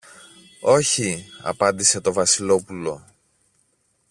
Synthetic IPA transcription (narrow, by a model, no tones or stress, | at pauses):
o̞çiɐ̰pɐnd̪ise̞t̪o̞vɐsilo̞pulo̞